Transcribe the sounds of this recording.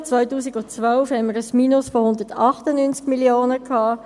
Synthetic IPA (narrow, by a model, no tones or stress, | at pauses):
t͡sʋœʏtuːsiɡʊt͡sʋœlfhɛnməɾəsmiːnʊsfohʊnd̪əɹtʰɑχtənynt͡skmiljoːnəkʰhɑː